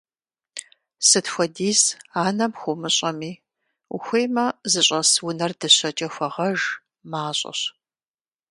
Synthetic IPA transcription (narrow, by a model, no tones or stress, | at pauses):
sɨtxʷɔdiːsaːnɐmxʷʊmɨɕʼɐmiː | ṵxʷejmɐzɨɕʷʼɐswʊnɐrdɨɕɐt͡ʃʼɐxʷɐʁɐʒ | maːɕʼɐ̰ɕ